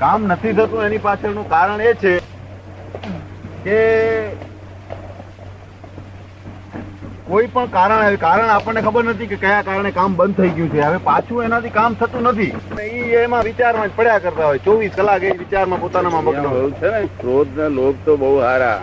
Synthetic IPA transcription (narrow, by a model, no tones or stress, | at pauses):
kamnət̪ʰit̪ʰət̪ũenipasenũkaːɾəɳ̃et͡ʃʰe | ke | koipəɳkaɾəɳekaɾəɳ̃apəɳnekʰəbəɾnət̪ikekəjakaɾɳ̃ekambənd̪̚t̪ʰəiɡjũt͡ʃʰeɦəʋepat͡ʃʰũenãt̪ikamt̪ʰət̪ũnət̪ʰiəmeiemãʋɪt͡ʃaɾmãd͡ʒpəɽjakəɾt̪aɦojt͡ʃɔʋiskəlakeiʋɪt͡ʃaɾmãpoːt̪anamãməɡ̃ũt͡ʃʰenefɾod̪nalob̚t̪oɓəɦuɦaɾa̰